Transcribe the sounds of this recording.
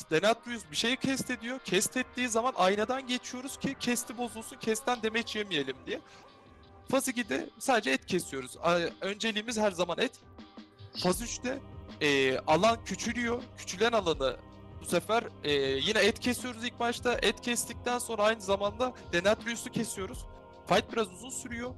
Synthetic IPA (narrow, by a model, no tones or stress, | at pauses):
d̪̥enat̪̚ɾujusbiʃe̞jcʰɛst̪ʰe̞d̪ijo̞cʰɛst̪ʰɛt̪ʰːiːzamanʔajnad̪anɟe̞t͡ʃʰijo̞ɾuz̥cʰicʰɛst̪ʰibo̞zulˠsuncʰɛst̪ʰænd̪emɛt͡ʃʰijemije̞lʲimd̪ijɛ | fazɯɟid̪ɛ̰saːd̪ed͡ʒɛɛt̪cʰesijo̞ɾuzø̞nd͡ʒe̞lʲiːmizhæɾzamanɛt̪ | fazyt͡ʃt̪ʰɛː | alˠancʰyt͡ʃʰylʲyjo̞cʰy̥t͡ʃʰylʲænalˠanɯ | busefæɾɛːjinɛɛt̪cʰesijo̞ɾuzilʲc̚bat͡ʃt̪ʰaʔɛt̪cʰɛst̪ʰic̚t̪ʰænso̞nɾaajnɯzamand̪ad̪̥enat̪̚ɾyjusucʰe̞sijo̞ɾuz̥ | fajt̪̚biɾazuzunsyɾyjo̞